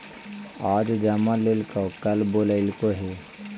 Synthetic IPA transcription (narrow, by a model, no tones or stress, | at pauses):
aːd͡ʒd͡ʒamãleːlkokəlboːləɪlkoɦe